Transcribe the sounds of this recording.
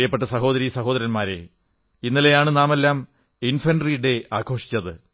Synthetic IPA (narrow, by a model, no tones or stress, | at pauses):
jɐpːeʈːɐsɐɦo̞ːðɐɾisɐɦo̞ːd̪ɐɾɐnmaːɾe̞̰ | inːilejaːɳɨnaːmelːaːm | infɐnɖriɖe̞aːkʰo̞ːʂi̥t͡ɕʲːɐðɨ